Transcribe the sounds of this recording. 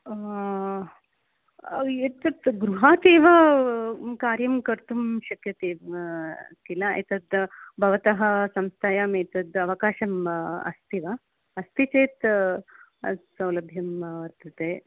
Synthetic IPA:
et̪ɐt̪ɡɾuɦaːt̪eːʋɐ | kaːɾjɐmkɐɾt̪umʃɐkjɐt̪eː | t̪ilaḛt̪ɐt̪bʱɐʋɐt̪ɐɦɐ̆sɐmst̪ʰaːjaːmet̪ɐd̪ɐʋɐkaːʃɐmɐ̰st̪ʰiʋɐ | ɐst̪it͡ʃeːt̪ | sɐwlɐbʱjɐmʋɐɾt̪ɐt̪eː

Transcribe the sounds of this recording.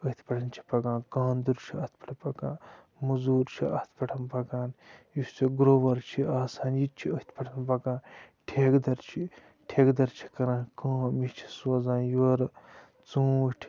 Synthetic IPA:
əɦit̪ʰpɐʈʰɐnt͡ʃʰi̥pɐɡãːnkãːnd̪uɾt͡ʃʰiɐht̪̚ʰpʰɐʈʰɐpɐɡãː | mɐzuːɾt͡ʃʰiɐht̪ʰpɐʈʰɐnbɐɡaːnjust͡sɐɡɾoːʋɐɾt͡ʃʰiaːsaːnjit͡ʃʰiəhit̪ʰpɐʈʰɐnbɐɡaːn | ʈʰeːɡd̪ɐɾt͡ʃʰi | ʈʰeːɡd̪ɐɾt͡ʃʰi̥kɐɾãːkãːmit͡ʃʰi̥sɐzãːnjuɐɾ | t͡sũːʈʲʰ

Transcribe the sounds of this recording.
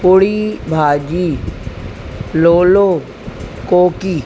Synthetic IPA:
pʊɽibʱaːd͡ʒiː | loːloː | koːkiː

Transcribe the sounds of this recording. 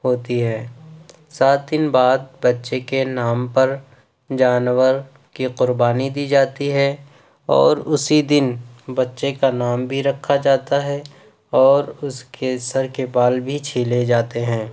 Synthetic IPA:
ɦoːt̪iɦɛː | saːt̪̚d̪ɪnbaːd̪̚bɐtːʃekenaːmpɐɾ | d͡ʒaːnwəɾ | kiqʊɾbaːnid̪iːd͡ʒaːt̪iɦɛ | ɔ̰ːɾʊsid̪ɪnbɐtːʃekanaːmbʱiɾɐkʰːad͡ʒaːt̪aɦɛ | ɔːɾʊskesɐɾkebaːlbʱit͡ʃʰiːled͡ʒaːt̪eɦɛ̃ː

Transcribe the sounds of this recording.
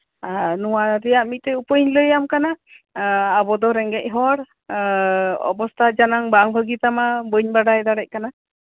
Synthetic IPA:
anuwaɾɛjaʔmic̪̚t̪ɛupəɲləjamkana | abɔd̪ɔɾɛŋɡɛc̚ˀɦɔɽ | ɔ̰bɔst̪ʰad͡ʒanaŋbaŋbʱəɡit̪amabəɲbaɖajd̪aɽɛc̚kana

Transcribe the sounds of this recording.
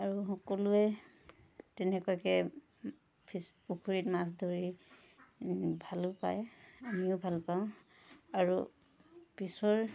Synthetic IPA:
aɹuɦɔkɔluɛ | tɛnɛkɔjkɛ | pʰisukʰuɹitmas̬dʱoɹi | bʱalʊpa̰jamiʊbʱalpaʊ̃ | aɹu | pisɔɹ

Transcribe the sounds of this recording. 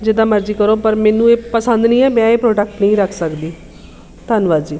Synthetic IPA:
d͡ʒɪd̪aːməɾd͡ʒiːkəɾoːpəɾmɛ̃ːnũːeːpəsə̃nd̪nĩːɛːmɛ̃ːeːpɾoːɖək̚ʈnĩːɾəkʰsəkd̪iː | t̪ənʋaːd͡ʒiː

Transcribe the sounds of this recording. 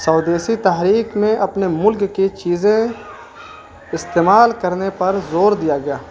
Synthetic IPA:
sɐːd̪eːsit̪aɦɾiːkmẽʔɐpnemʊlkːit͡ʃiːzẽ | ɪst̪eːmaːlkɐɾnepɐɾzoːɾd̪ijaɡɐjaː

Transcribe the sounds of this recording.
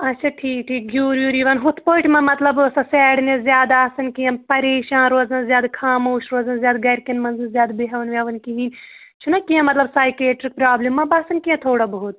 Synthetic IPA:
ɐtːt͡ʃʰaːʈʰiːkʈʰiːk̚ɡʱʲjuːɾjuːɾiːʋɐnɦut̪ʰpoːʈʰʲmɐmɐt̪lɐbsɐsɛːɽnezʲjaːd̪aːsɐnkijɐ̃pɐɾeːʃaːnɾoːzɐnzjaːd̪kʰaːmoːʃɾoːzɐnzjaːd̪ɡɐɾkɐnmɐnznzjaːd̪beɦɐʋɐnʋʲjaːʋɐnkiɦiːnʲ | t͡ʃʰunɐkijɐ̃mɐt̪lɐbsaːjkeːʈɾik̚pɾaːblimːɐbɐsɐnkiɐ̃t̪ʰoːɽɐbɐɦut̪̚ʰ

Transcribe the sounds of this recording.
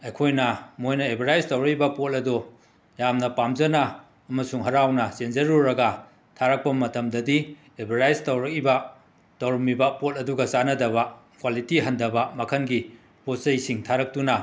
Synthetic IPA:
ɐjkʰojnɐmojnɐebʱɐɾajztɐwɾɐk̚ibɐpotɐdu | jamnɐpamzɐnɐː | mɐsuŋɦɐɾawnɐsenzɐɾuɾɐɡɐ | tʰaɾɐk̚pɐmɐtɐmdɐdi | ebʱɐɾajztɐwɾɐk̚ibɐ | tɐwɾɐmibɐpotɐduɡɐsanɐdɐβɐkwalitiɦɐndɐbɐmɐkʰɐnɡi | pot̚sɐjsiŋtʰaɾɐk̚tunɐ

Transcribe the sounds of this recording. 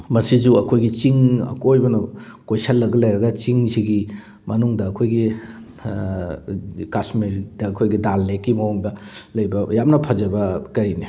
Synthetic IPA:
mɐsizuɐkʰojɡit͡ʃiŋɐ̰kojbɐnɐ | kojsɐlːɐɡɐlɐjɾɐɡɐt͡ʃiŋsiɡi | mɐnuŋdɐːkʰojɡi | kasmiɾdɐɐkʰojɡidalːekːimɐɔŋdɐlɐjbɐjamnɐpʰazɐbɐkɐɾini

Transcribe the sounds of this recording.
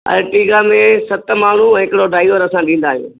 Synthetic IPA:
ɐ̰lʈiːɡaːmẽsɐt̪̆maːɳ̤uɛ̃ːɦɪkɪɽoɖaːɪʋəɾɐsãɗĩːn̆d̪aːɦijṵ̃ː

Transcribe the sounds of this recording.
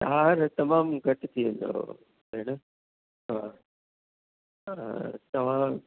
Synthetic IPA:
ɦaːɾt̪ɐmaːmɡʱɐʈɪt̪ʰiʋẽnd̪o̰ | enɐ | ɦaː | t̪ɐʋ̤ã

